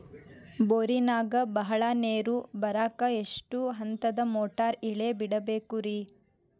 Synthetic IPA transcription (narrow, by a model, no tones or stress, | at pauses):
boɾinaːɡɐbɐɦɐɭaneːɾubɐɾaːkɐe̞ʂʈuɦɐnt̪ɐd̪ɐmoːʈaːɾiɭe̞biɽɐbe̞ːkuɾi